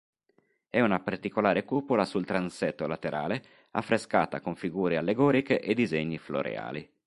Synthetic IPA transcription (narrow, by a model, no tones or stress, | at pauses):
ɛunapart̪ikolaːɾekuːpolasult̪ɾansɛt̪ːolat̪eɾa̰ːle | a̰fːɾeskaːt̪a̰koɱfiɡuːɾealːeɡɔːɾikeʔed̪izeɲːiflo̰ɾḛa̰ːli